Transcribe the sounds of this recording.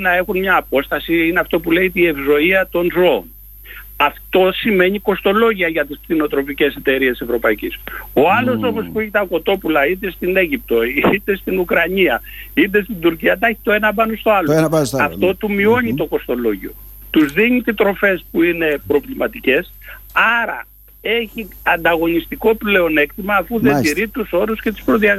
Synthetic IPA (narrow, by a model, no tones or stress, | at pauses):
nɐe̞xunmɲɐːpo̞st̪ɐsiineɐft̪o̞pule̞it̪ie̞vzo̞iɐt̪o̞nzo̞̰ːn | ɐft̪o̞sime̞ɲiko̞st̪o̞lo̞ʝiɐʝɐt̪ispθino̞t̪ɾo̞pice̞se̞t̪e̞ɾie̞se̞vɾo̞pɐiciso̞ɐlo̞so̞mo̞spueçit̪ɐko̞t̪o̞pulɐit̪e̞st̪ine̞ʝip̚t̪o̞it̪e̞st̪inukɾɐɲiɐ | it̪e̞st̪ind̪uɾciɐt̪ɐçi̥t̪o̞e̞nɐbɐnost̪o̞ɐloɐft̪o̞t̪umio̞ɲit̪o̞ko̞st̪o̞lo̞ʝio̞̰ | t̪uzðiɲit̪it̪ɾo̞fe̞spuine̞pɾo̞vlimɐt̪ice̞s | ɐɾɐ̰ | e̞çi | ɐnd̪ɐɣo̞nist̪iko̞ple̞o̞ne̞kt̪imɐːfuðed̪iɾit̪uso̞ɾusce̞t̪u̥spɾoðiɐɣ